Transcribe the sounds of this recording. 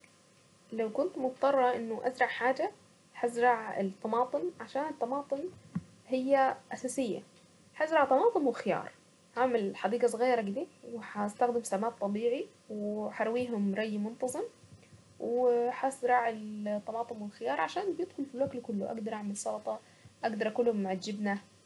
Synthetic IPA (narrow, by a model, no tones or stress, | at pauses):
lawkʊnt̪mʊt̪t̪ˤːɑrˤːɑʔɪnːʊʔazɾˤɑʕħaːd͡ʒa | ħazɾˤɑʕɪ̰t̪ˤːɑmɑːt̪ˤɨnʕaʃaːnɪt̪ˤːɑmɑːt̪ˤɨn | hɪjːaʔasaːsɪjːa̰ | ħazɾɑʕt̪ˤɑmɑːt̪ˤɨnwɪxɪjɑ̰ːɾˤ | haːmalħɑd̪iːɡɑsˤɣiːɾˤɑɡɪd̪iːwɪħast̪axd̪ɪmsamaːʔ̚t̪ˤːɑbiːʕi | wħɑɾˤwiːɦʊmɾˤɑjːmʊnt̪ɑzˤɨm | wɪħazɾˤɑʕɪlt̪ˤːɑmɑːt̪ˤɨnwɪlxɪjɑːɾˤʕaʃaːnbjɪd̪̥xʊlfilwaklkʊlːʊ̰ʔa̰ɡd̪ɑɾˤʔaʕmɪlsˤɑlt̪ˤɑ | ʔaɡd̪ɑɾˤʔakulːhʊmʕad͡ʒːɪbna